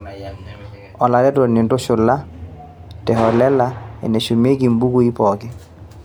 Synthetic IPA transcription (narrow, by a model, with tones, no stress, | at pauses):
ɔ˨la˨ɾɛ˦tɔ˨nɛ˨ndo˦ʃʊ˨la˦ | tɛ˨hɔ˨lɛ˦la˨ɛ̰˨nɛ˨ʃu˨me˦ɡi˨mbu˦ku˦i˦pɔ˨kɛ˦